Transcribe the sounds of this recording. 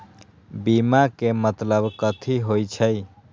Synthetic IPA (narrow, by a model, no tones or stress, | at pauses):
bimakemət̪ləbkət̪ʰiɦojt͡ʃʰəj